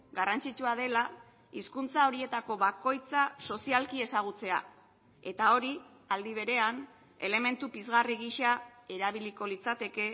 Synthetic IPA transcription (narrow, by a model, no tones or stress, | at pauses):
ɡarant͡sit͡ʃuaðe̞la | iskunt͡sao̞ɾie̞t̪ako̞βako̞jt͡saso̞sialkie̞saɣ̞ut͡se̞a̰ | e̞t̪ao̞ɾi | ald̪iβ̞e̞ɾe̞an | e̞le̞me̞nt̪upizɣariɣiʃae̞ɾaβiliko̞lit͡sat̪e̞ke̞